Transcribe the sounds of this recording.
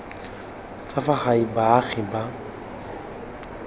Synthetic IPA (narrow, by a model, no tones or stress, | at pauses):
t͡safaχaibaɣɪba